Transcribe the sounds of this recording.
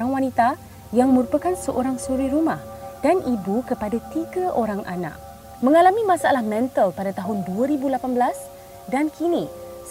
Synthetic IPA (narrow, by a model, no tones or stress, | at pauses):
aŋwanit̪a | jaŋmə̃ɾupakansəʔoɾaŋsuɾiɾumah | d̥anʔibukəpadat̪iɡaʔoɾaŋʔa̰na̰k̚ | mə̃ŋalamĩmãsaa̰lahmɛ̃nt̪əlpadat̪aɦʊnduaɾibulapanbəlas | dankʰinis